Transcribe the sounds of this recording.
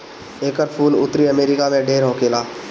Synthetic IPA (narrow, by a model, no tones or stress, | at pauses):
eːkəɾpʰuːlʊt̪ɾiəmeːɾɪkamẽɖeːɾɦoːkeːlaː